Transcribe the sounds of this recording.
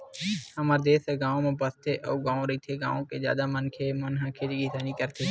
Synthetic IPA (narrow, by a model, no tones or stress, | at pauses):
həmaːɾd̪eːseɡãːõmẽbəst̪ʰeʔɔːɡãːõɾɐɦit̪ʰeɡã̰ːõkezja̰ːd̪amənkʰemənɦãːkʰed͡ʒiɡɪsaːnikəɾt̪ʰe